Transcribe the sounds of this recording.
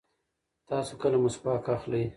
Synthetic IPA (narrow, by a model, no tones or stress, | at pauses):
t̪ɑːsokəlamʊspɑːkaxləj